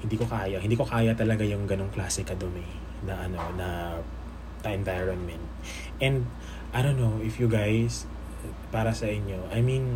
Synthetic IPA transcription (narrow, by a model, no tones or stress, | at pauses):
hɪnd̪iːko̞kaːjɐhɪnd̪iːko̞kaːjɐt̪ɐlɐɡajʊŋɡɐno̞ŋklaːsɛkɐd̪omi | nɐʔɐno̞nɐ | t̪ɐʔɛnvajɹonmɛnt̪̚ | ʔɛ̃nd̪ | ʔajd̪onːowʔɪfjʊɡajs | paːɾɐsɐʔɪɲjo̞ʔajmĩn